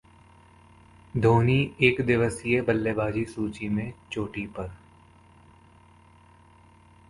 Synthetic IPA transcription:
d̪ʱoːnieːkd̪ɪʋəsiebəlːebaːd͡ʒisuːt͡ʃimẽt͡ʃoːʈipəɾ

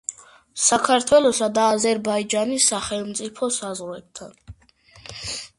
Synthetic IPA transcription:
sakʰaɾt̪ʰwɛlɔsad̪aːzɛɾbaid͡ʒanisːaχɛlˠmt̪sʼipʰɔsazʁɾwɛb̚t̪ʰan

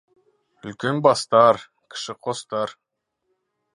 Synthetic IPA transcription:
ʏlkʲenbɑst̪ɑɾ | kʲʰɪ̥ʃɪqʰost̪ɑɾ

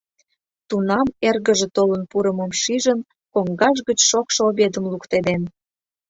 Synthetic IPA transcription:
t̪unɑmerɣəʒĕt̪olənpuɾəməmʃiʒən | koŋɡɑʒ̬ɣət͡ɕʃokʃoβed̪əmlukt̪ed̪en

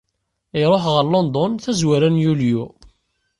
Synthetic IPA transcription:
ɪɾˤoħʁəɾlond̪ˤɔnθæzwaɾænjulju

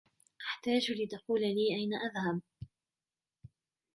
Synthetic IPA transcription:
ʔaħt̪aːd͡ʒlɪd̪aquːlaliːʔajnaʔaðhab

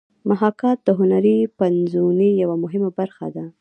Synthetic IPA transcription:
maɦɑkɑt̪̚d̪əɦʊnaɾipanzunijawamʊɦɪmabaɾxa̰d̪a

